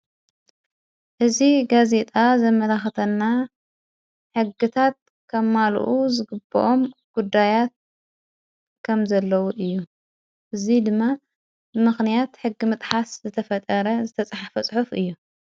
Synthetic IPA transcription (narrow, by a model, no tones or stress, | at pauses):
ʔɨziɡaze̞t̪ʼazɐmɐlaxɐt̪ʰɐnːa | ħɨɡːɨt̪ʰat̪̚ | kʰɐmːal̰ʔuzɨɡɨbːɐ̰ʔo̞mɡ̥ud̪ːajat̪̚ | kʰɐmzɐlːɐwuʔɨjːu | ʔɨzid̪ɨmːa | bɨmɨxnijat̪ħɨɡːimɨt̪ʼħaszɨt̪ʰɐfɐt̪ʼɐɾɐzɨt̪ʰɐt͡sʼħafɐsʼħufʔɨjːu